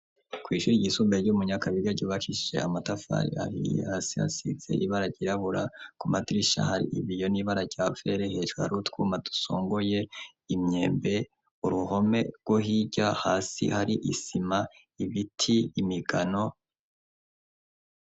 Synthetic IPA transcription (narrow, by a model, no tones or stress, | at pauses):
kwiːʃuɾiɟiːsuːmbeɾɟumuɲakaβiɾaɟoːβakiʃʒe̞̰amatafa̰ɾḭa̰hḭjḛhaːsiha̰sḭze̞̰ʔiβaɾaɟiɾaβuɾakumatɾiʃa̰haɾḭʔiβijo̞niːβaɾaɟ̥aːfe̞ɾehe̞ʒuha̰ɾutkuːmatu̥so̰ːŋɡoje̞ | imɲe̞ːmbe̞ | uɾuho̞me̞̰ɾɡ̥woɦiɟahaːsḭhaɾiʔḭsima | iβitʰiːmiɡano̞